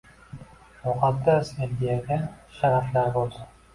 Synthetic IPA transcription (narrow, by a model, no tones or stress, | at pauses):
mʊqʰɑd̪ːasind̪ijaɡʲaʃaɾaflaɾbolˠd̪ɪn